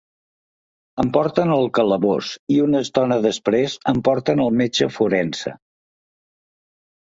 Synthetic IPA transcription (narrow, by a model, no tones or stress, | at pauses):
əmpɔɾt̪ənəlˠkələβo̰siunəst̪ɔnəðəspɾezəmpɔɾt̪ənəlˠmet͡ʃəfuɾɛnsə̰